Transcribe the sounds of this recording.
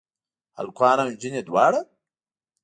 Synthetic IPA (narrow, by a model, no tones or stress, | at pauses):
a̰lkʷʰaːnand͡ʑined̪waːɽa